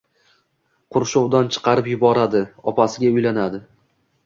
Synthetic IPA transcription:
qʰʊɾʃowd̪ant͡ʃʰɨ̥qʰɑɾɪpjʊbɒɾad̪ɪɒpasɪɡʲaʊjlanad̪ɪ

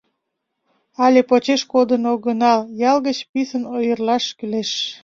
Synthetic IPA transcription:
ɑlʲepot͡ɕeʃkod̪ənoɡənɑljɑlɣət͡ɕpisənojərlɑʃkyleʃ

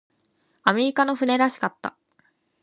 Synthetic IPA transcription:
amʲe̞ɾʲikano̞ɸɯ̟ne̞ɾaɕi̥kat̪ːa̰

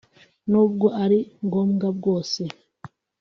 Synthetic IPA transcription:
nuːb̚ɡo̞ʔaɾiŋɡo̞ːmɡabɡo̞ːse

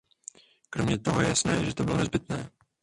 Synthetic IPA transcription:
kɾomɲɛt̪oɦojɛ̰jasnɛːʒɛt̪obɪlonɛzbɪt̪nɛː

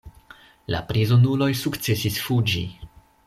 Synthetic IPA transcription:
la̰pɾizonulo̞jsukt͡se̞sisfud͡ʒi

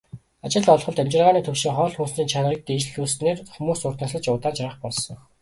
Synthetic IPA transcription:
at͡ɕɪ̆ɮɔɮχɞ̆ɮt̪ʰæmt͡ɕɪ̆rʁaːniːt̪ʰɵwʃĭŋχɔːɮxunsniːnt͡ɕʰank̚t̪it͡ɕɮuːsneːrxumuːsʊr̥t̪ə̆sɮə̆t͡ɕʊːt̪aːnt͡ɕʰaɾə̆χpɔɮsɞ̆

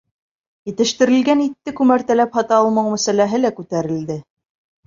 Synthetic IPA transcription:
jɘ̆t̪ɘ̆ʃt̪ɘ̆ɾɘ̆lɡænit̪ːɘkʉmæɾt̪ælæphɑt̪ɑːlˠmɤwmæsælæɦɘlækʉt̪æɾɘ̆ld̪ɘ

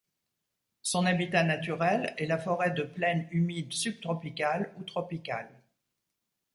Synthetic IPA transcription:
sɔ̃nabit̪anat̪yʁɛlɛlafɔʁɛd̪əplɛnymid̪syb̚t̪χɔpikalut̪χɔpika̰l

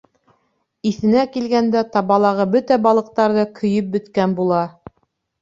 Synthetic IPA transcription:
iθɘ̆nækilɡænd̪æt̪ɑβɑlˠɑʁɤbɵt̪æbɑlˠɤ̆q̚t̪ɑɾðɤkʰɵ̆jɵp̚bɵ̆t̪kænbulˠɑ

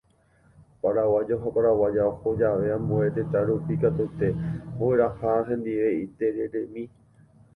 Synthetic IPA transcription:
paɾawad͡ʒoɦapaɾawad͡ʒaohod͡ʒaʋe̞ãmbue̞t̪et̪aɾupikat̪ut̪eboeɾahaɦẽ̞nd̪iʋe̞it̪e̞ɾeɾe̞mĩ

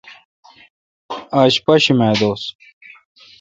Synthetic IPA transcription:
aːɕpɐɕimeːd̪oːs

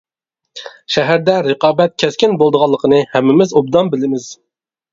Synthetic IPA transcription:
ʃæɦæɾd̪ɛɾɨqɑːbɛt̪̚kʲʰɛskʲɪnbolˠd̪əʁɑlˠːəqʰənɨhæmːɪmɪzob̚d̪ɑnbɪlɪmɪz̥

